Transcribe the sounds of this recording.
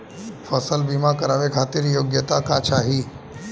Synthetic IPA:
fʰəsəlbiːmakəɾaːʋekʰaːt̪ɪɾjoːɡjət̪akaːt͡ʃʰaːɦiː

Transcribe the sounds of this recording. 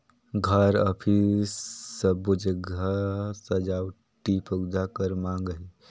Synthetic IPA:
ɡʱəɾəpʰisːəbud͡ʒəɡʱasəd͡ʒaw | ʈipʰəɡd̪akəɾmãŋɡəɦi

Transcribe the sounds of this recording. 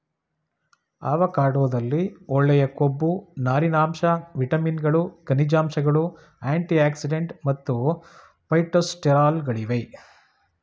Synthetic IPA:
a̰ːʋɐkaːɽoʋd̪ɐlːiɔɭːɛjɐkobːunaːɾinaːmʃɐʋiʈɐminɡɐɭukɐnid͡ʒaːmʃɐɡɐɭu | aːɳʈiaːksiɖeɳʈmɐt̪ːu | pɐjʈosʈeɾaːlɡɐɭiʋej

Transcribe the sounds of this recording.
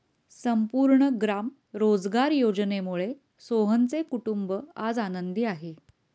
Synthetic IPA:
səmpuɾɳəɡɾam | ɾod͡zɡaɾjod͡znemuɭe | soɦənt͡sekuʈumbəad͡zanənd̪iːaɦe

